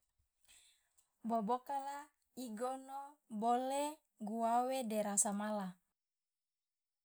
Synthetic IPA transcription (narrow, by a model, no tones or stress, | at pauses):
bobokala | iɡonobole | ɡuawedeɾasamala